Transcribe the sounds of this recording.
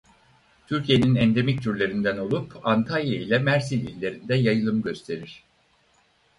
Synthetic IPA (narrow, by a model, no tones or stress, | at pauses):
t̪ʰyɾcʰije̞ninɛnd̪e̞mic̚t̪ʰyɾlʲe̞ɾind̪æno̞lˠupʰant̪ʰalʲjailʲɛmæɾsilʲḭlʲːe̞ɾind̪ɛjajɯlˠɯmɯɟø̞st̪ʰe̞ɾiɾ̝̥